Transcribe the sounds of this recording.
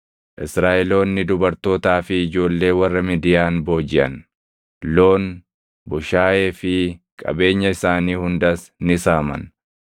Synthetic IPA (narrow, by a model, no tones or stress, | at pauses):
ʔɪsɾaːʔɛlo̞ːnːɪd̪ʊbɐɾt̪o̞ːt̪aːfɪːd͡ʒo̞ːlːe̞ːwɐrːɐmɪd̪ɪjaːnbo̞ːd͡ʒɪʔɐ̰n | lo̞ːn | bʊʃaːje̞ːfɪkʼɐ̰be̞ːɲːɐɪsaːniːhʊnd̪ɐs | nɪsaːmɐ̰n